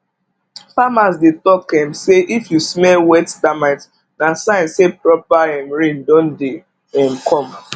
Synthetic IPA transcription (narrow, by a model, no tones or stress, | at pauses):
famas̬detɔkɛ̃mseʔifjusmɛlwɛtdamat | nasãnsepɹɔpaɛmɹĩndɔ̃nde | ɛ̃mkʰɔ̃m